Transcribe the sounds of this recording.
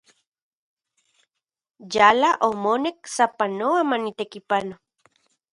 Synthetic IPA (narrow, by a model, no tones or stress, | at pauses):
jalaʔomonek̚sapanoamanit̪ekipano